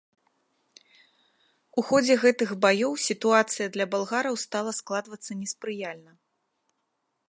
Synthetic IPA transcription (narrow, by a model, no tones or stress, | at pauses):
uxɔd͡zʲɛɣɛt̪ɨɣbajɔwsʲit̪uat̪sɨjɐd̪lʲɐbalˠɣaɾɐwst̪alˠɐsklˠad̪vɐt̪sːɐnʲɛspɾɨjalʲnɐ